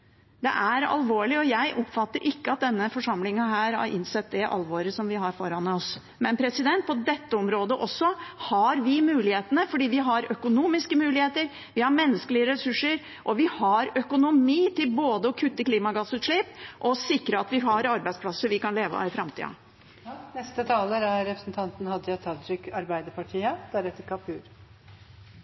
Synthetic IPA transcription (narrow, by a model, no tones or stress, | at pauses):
d̪ɛ̰ʔæɾɑ̰lʋoːɭɪɔjæɪʔɔpːfɑt̪ːəɾʔɪkːəɑt̪̚d̪ɛnːəfɔʂɑmlɪŋɑɦæːɾhɑ̰ɾʔɪ̰nsɛt̪̚d̪ɛʔɑ̰lʋoːɾəsɔmʋɪɦɑɾfɔɾɑnɔs | mɛnpʰɾɛsɪd̪ɛnt̪̚pʰɔd̪ɛt̪ːəɔmɾoːd̪əʔɔsːɔhɑɾʋɪmʉːlɪheːt̪ənəfɔɖiːʋɪɦɑɾœkʊnuːmɪskəmʉːlɪheːt̪əɾ | ʋɪhɑɾmɛnːəskəlɪəɾɛsʉʂːəɾ | ʔɔʋɪhɑɾœkʊnʊmiːt̪ɪlboːd̪əɔkʰʉt̪ːəkliːmɑɡɑsʉːt̪ʂɭiːpʔɔsɪkɾəɑt̪ʋɪɦɑɾɑɾbæɪd̪spʰlɑsːəɾʋɪkɑnleːʋɑ̰ɪfɾɑmt̪ʰḭːɑ̰ | nɛst̪ət̪ʰɑːləɾæɾɾɛpɾəsn̩t̪ʰɑnt̪n̩hɑd̪jɑt̪ʰɑt̪ʰɾʏkɑɾbæɪd̪əɾpʰɑʈʰiːəd̪̥æɾɛt̪ːəɾkʰɑpʰʉːɾ